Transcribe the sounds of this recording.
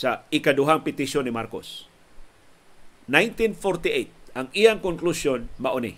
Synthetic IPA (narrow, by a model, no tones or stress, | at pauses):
saɪkad̪ʊɦaŋpɪt̪ɪʃonɪmaɾko̰s | najnt̪infoɾt̪ɪʔet̪̚ɐŋijaŋkʊŋklusjonmɐʔonḭ